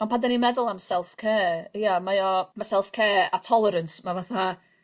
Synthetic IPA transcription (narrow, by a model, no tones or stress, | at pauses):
ɔnpʰadanimɛðʊlˠamsɛlˠfkʰeːijamajɔmasɛlˠfkʰeːatʰɔlˠɛɾənsmavaθa